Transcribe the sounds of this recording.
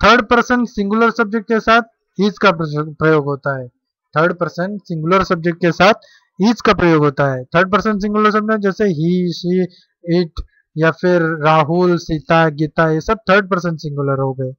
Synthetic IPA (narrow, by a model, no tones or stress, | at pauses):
t̪ʰəɾɖpəɾsəɳʈsɪ̃ŋɡʊləɾsɐb̚d͡ʒek̚ʈ̚kesat̪̚ʰ | iːd͡ʒkapɾɐjoːɡɦoːt̪aɦɛː | t̪ʰəɾɖpəɾsə̃ɳʈsɪ̃ŋɡʊləɾsɐb̚d͡ʒek̚ʈ̚kesat̪ʰ | iːd͡ʒkapɾəjoːɡɦoːt̪aɦɛt̪ʰəɾɖ̚p̬əɾsə̃ɳʈs̬ɪ̃ŋɡuləɾs̬ɐbnad͡ʒɛːseɦiʃi | iʈʰ | jafʰɪɾːaːɦulsit̪aɡit̪ajesəb̚t̪ʰəɾɖ̚pəɾsə̃ɳʈsɪ̃ŋɡuləɾɦoːɡeː